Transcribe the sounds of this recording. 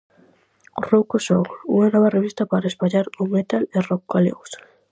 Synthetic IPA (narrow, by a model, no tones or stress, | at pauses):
rokoʃoɣṵŋanɔβɐreβist̪ɐpaɾɐespaʎaɾumet̪alerɔkːalḛɣʊs